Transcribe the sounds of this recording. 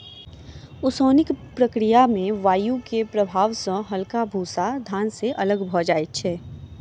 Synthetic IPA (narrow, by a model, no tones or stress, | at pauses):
ʊsoːnɪkpɾɐkɾɪjamẽʋaːjukepɾɐbʱaːʋsə̃ɦɐlkabʱuːsad̪ʱaːnseʔɐləɡbʱɔd͡ʒaːet͡ʃʰɛː